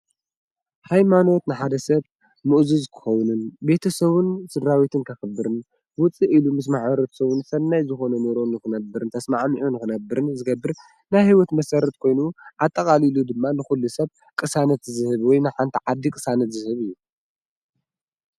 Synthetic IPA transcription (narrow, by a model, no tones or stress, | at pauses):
hajmano̞t̪nɨħad̪ɐsɐβ | mɨʔzuzkʰɨ̥xɐwnɨnbe̞t̪ʰɐsɐβɨnsɨdɾawit̪ʰɨnkʰɐxɨbːɨɾɨn | wʊt͡sʼːiʔilumɨs̬maħβɐɾot̪ʰsɐβɨnsɐnːajzɨxo̞nɐnoɾonɨkɨnɐbːɨɾɨnt̪ʰɐsmaʕmiʕunɨkɨnɐbːɨɾɨnzɨɡɐbːɨɾ | najhiwɔt̪mɐsɐɾɐt̪kʰo̞jnuʔat̪ʼːɐkʼalilud̪ɨmːanɨxulːusɐβ | kʼɨsanɐt̪zɨhɨβwɔjnajħant̪ʰiʕad̪ːikʼɨsanɐt̪zɨhɨβɨjːu